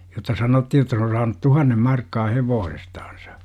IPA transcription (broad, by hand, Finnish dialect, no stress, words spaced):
jotːɑ sɑnotːi jotːɑ se on sɑːnu tuhɑnːem mɑrkːɑː heʋoːsestɑ̥ːn̥sɑ̥